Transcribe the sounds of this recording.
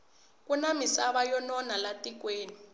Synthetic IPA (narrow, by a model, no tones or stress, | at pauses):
k̬ʼunamisaβajɔnɔnalatʼik̬weːni